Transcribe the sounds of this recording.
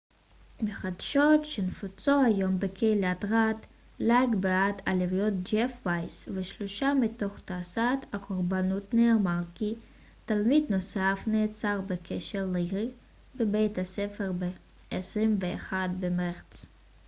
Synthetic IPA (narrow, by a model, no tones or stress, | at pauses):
meχad̪ʃot̪ʃenfut͡sohajombekʰejlatʁat̪ | laɡbeat̪alevjot̪̚d͡ʒefvajsveʃloʃamitoχt̪aːsathakʰoʁbanutneːmaʁki | t̪almidnosafneːt͡saʁbekʰeʃeʁliʁi | bebejthasefeʁbe | esʁimveːχad̪̚bemeʁt͡s